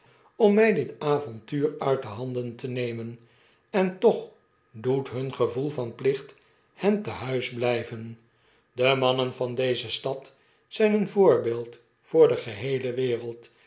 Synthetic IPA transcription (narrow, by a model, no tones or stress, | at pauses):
ɔmːɛjdɪtaːvɔntyːrœɥt̚dəɦɑndəntənejmən | ɛntɔχ | dutɦɵnχəvulˠfɑnplɪχt | hɛntəɦœɥzblɛjvən | dəmɑnənvɑndejzəstɑt | sɛjnənvʊːɹbeːlˠt | fʊːɹdəχəɦejləʋɪːrəlˠt